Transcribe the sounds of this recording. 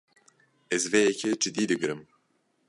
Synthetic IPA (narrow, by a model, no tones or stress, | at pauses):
ɛzvejɛkʰɛd͡ʒɨd̪iːd̪ɨɡɾɨm